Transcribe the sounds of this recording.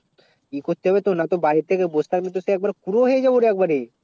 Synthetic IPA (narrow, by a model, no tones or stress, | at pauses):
ikot̪eɦbet̪onat̪obait̪ekebosʰt̪akmet̪oseːk̚baɾkuɾoɦed͡ʒɐboɾeek̚baɾe